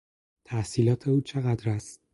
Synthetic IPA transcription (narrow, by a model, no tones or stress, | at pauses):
t̪ʰæhsiːlɒːt̪ʰe̞uːt͡ʃʰe̞ɣæd̪ɾæst̪̚